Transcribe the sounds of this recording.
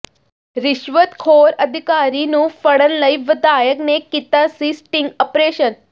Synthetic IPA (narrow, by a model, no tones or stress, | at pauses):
ɾiɕʋət̪kʰoɾəd̪ʱikaɾinũːfəɽənləjʋəd̪ajəknekit̪asisʈiŋɡəpɾeɕən